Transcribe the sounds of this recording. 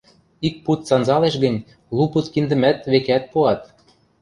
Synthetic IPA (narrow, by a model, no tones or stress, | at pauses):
ik̚put̪sɑnzɑleʃɣə̆nʲ | luput̪kind̪ə̆mæt̪βekæt̪̚puɑt̪̚